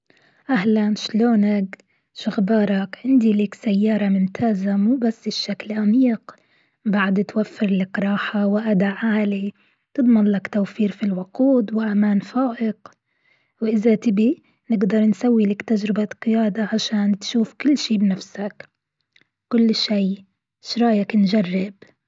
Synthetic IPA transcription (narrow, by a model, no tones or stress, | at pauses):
ʔahlanʃloːnak | ʃɪɣbɑːɾˤɑkʕɪnd̪iliːksajːɑːɾˤɑmʊmt̪ʰaːzamuːbasːɪʃːaklʔamiːq | baʕd̪t̪wafːɪɾlakɾˤɑːħawɪʔad̪aʕaːli | t̪ɨd̪ˤmɪnlakt̪awfiːɾfilwʊquːd̪wɪʔamaːnfaːʔɪq | wʔɪzat̪ɪbi | nɪɡd̪ɑɾˤnsawːilakt̪ad͡ʒɾɪbaqɪjaːd̪aʕaʃaːnt̪ʃuːfkʊlːʃiːbnafsak | kʊlːʃiː | ʃɾˤɑːjaknd͡ʒarˤːɪb